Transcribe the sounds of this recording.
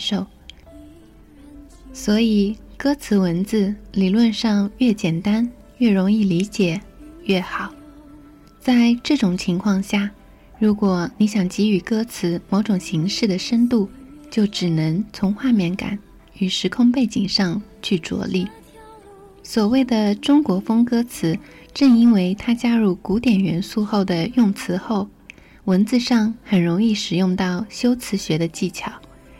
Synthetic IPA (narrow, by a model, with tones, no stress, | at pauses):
ʂo˥˩ʊ | swɔ˧˥i˨˩kɤ˥t͡sʰɹ̩˧˥wə˧˥nt͡sɹ̩˥˩li˨˩lwə˥˧nʂɑ˥˧ŋɥɛ˥˩t͡ɕjɛ˨˩nt̪a˥n | ɥɛ˥˩ɻʊ˧˥ŋi˥˩li˧˥t͡ɕjɛ˨˩˦ɥɛ˥˩xɑ˨˩˦ʊ | t͡sa˥˧ɪʈ͡ʂɤ˥˩ʈ͡ʂʊ˨˩ŋt͡ɕʰi˧˥ŋkʰwɑ˥˧ŋɕja˥˩ | ɻu˧˥kwɔ˨˩˦ni˧˥ɕjɑ˨˩ŋt͡ɕi˧˥y˨˩kɤ˥t͡sʰɹ̩˧˥mo˧˥ʊʈ͡ʂʊ˨˩ŋɕi˧˥ŋʂɻ̩˥˩d̪ə˩ʂə˥nt̪u˥˩t͡ɕjo˥˩ʊʈ͡ʂɻ̩˨˩nɤ˧˥ŋt͡sʰʊ˧˥ŋxwa˥˧mjɛ˥˩nka̰˨˩˦n | y˨˩ʂɻ̩˧˥kʰʊ˥˧ŋpe˥˩ɪt͡ɕi˨˩ŋʂɑ˥˧ŋt͡ɕʰy˥˩t͡swɔ̰˧˥li˥˩ | swɔ˨˩we˥˩ɪd̪ə˩ʈ͡ʂʊ˥ŋkwɔ˧˥fɤ˥ŋkɤ˥t͡sʰɹ̩˧˥ | ʈ͡ʂɤ˥˩ŋi˥nwe˧˥ɪt̪ʰa˥t͡ɕja˥ɻu˥˩ku˧˥t̪jɛ˨˩nɥɛ˧˥nsu˥˧xo˥˩ʊd̪ə˩jʊ˥˩ŋt͡sʰɹ̩˧˥xo˥˩ʊ | wə˧˥nt͡sɹ̩˥˧ʂɑ˥˩ŋxə˨˩nɻʊ˧˥ŋi˥˩ʂɻ̩˨˩jʊ˥˧ŋt̪ɑ˥˩ʊɕjo˥ʊt͡sʰɹ̩˧˥ɕɥɛ˧˥d̪ə˧t͡ɕi˥˩t͡ɕʰjɑ˨˩˦ʊ